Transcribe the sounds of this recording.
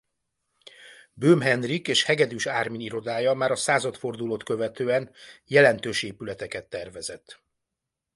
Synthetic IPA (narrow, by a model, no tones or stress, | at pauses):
bøːmɦɛnrikeːʃhɛɡɛd̪yʃaːrminiɾo̞d̪aːjɒmaːɾɒsaːzɒt̪fo̞rd̪uloːt̪kø̞vɛt̪øːɛnjɛlɛnt̪øːʃeːpylɛt̪ɛkɛt̪ːɛrvɛzɛt̪ː